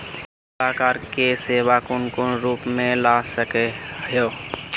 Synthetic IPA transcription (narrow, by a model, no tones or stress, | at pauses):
laːkaːɾkeseːʋakʊnkonɾuːpmẽlasəkeɦəjoː